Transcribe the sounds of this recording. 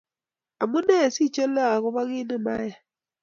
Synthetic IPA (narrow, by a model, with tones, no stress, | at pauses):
a˨mu˦ne˦˨si˦˨t͡ʃe˦la˦a˨kʊ˦βa˦ɣi˦ne˦ma̰˦ja˨